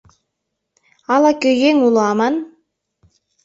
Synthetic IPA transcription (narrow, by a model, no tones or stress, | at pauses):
ɑlˠɑkøjeŋulˠɑmɑn